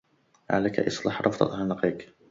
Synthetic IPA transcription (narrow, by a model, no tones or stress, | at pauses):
ʕa̰laka̰ʔɪ̰sˤlɑħɾˤʔɑ̰fd̪ˤɑ̰t̪ʕanlɑqiːk